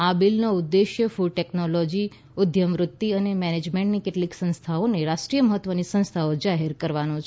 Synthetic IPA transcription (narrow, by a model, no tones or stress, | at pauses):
abilnoud̪ːeʃjəfuɖ̚ʈɛknolɔd͡ʒi | ʊd̪ʱjəmʋɾʊt̪ːiənemɛned͡ʒmẽɳʈnikeʈliksə̃nst̪ʰaoneɾaʃʈɾijəməɦət̪ːʋənisə̃ñst̪ʰaod͡ʒaɦeɾkəɾʋanot͡ʃʰ